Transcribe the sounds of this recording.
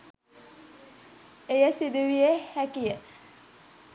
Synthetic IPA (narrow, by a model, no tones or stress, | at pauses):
ejəsid̪uʋiehækijə